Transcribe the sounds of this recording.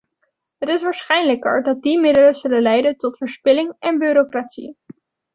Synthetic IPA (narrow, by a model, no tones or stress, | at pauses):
ɦətɪsʋaːɹsχɛjnləkə̰ɹdɑt̚dimɪdələz̥ɵləlɛjdəntɔtfəɹspɪlɪŋɛnbyːɾokratsḭ